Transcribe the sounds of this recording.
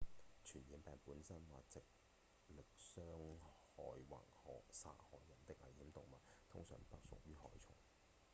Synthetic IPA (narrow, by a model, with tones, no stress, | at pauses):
t͡ʃʰyː˨˩njiː˨˥npɛː˨npuː˨˥nsɐ˥nwaː˨˩t͡sɪ˨k̚ | lɪ˨k̚sœː˥ŋhɔː˨˩jwa̰˨˩ŋhɔː˨sa̰ː˧˥hɔː˨˩jːɐ˨˩nt̪ɪ˥k̚ʔɐ̰˨˩jhiː˨˥mt̪ʊ˨ŋmɐ˨t̚t̪ʰʊ˥ŋsœ̰ː˨˩ŋp̪ɐ˥k̚sʊ̰˨k̚jyː˥hɔː˨˥jt͡sʰʊ̰˨˩ŋ